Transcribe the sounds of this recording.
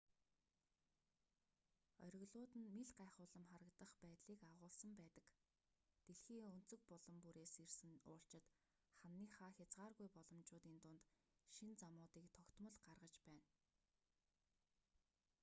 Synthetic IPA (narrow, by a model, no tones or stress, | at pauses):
œɾʲɪ̆ɣɮʊːt̪ɘ̆nmiɮɢaːχʊːɮə̆mχaɾə̆kt̪ə̆χpæːt̪ɮiːkaʁʊːɮsə̆mpæːt̪ə̆k | t̪eɮxiːɵn̥t͡sɵ̆k̚pɔɮɞ̆mpuɾeːsersɘ̆nʊ̰ːɬt͡ɕɪ̆t̪ | χanːiːχaːxʲat͡sʁaːrɣujpɔɮɞ̆mt͡ɕʊːt̪iːnt̪ʊnt̪ | ʃint͡samʊːt̪iːkt̪ʰɔkt̪mə̆ɮɢarʁə̆t͡ɕpæːn